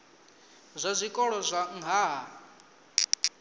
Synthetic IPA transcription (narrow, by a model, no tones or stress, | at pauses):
zʷazʷikʼɔɺɔzʷaŋʱaːɦa